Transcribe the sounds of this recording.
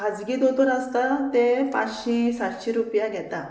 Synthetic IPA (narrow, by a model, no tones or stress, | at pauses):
ad͡zɡid̪ot̪əɾast̪at̪epã̰t͡sɕĩsaɽɕiɾupjaɡʱɛt̪a